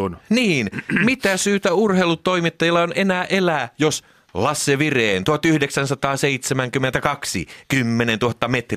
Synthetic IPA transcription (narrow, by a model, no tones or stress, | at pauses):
nniːnmit̪æsyːt̪æurheilut̪ːo̞imit̪ːɑjilːɑonʔenæːʔelæːjos | lɑsːeʋireːnt̪uhɑt̪yhdeksænsɑt̪ɑːseit̪semæŋkymːent̪ækɑksḭkymːenent̪uhɑt̪ːɑmet̪r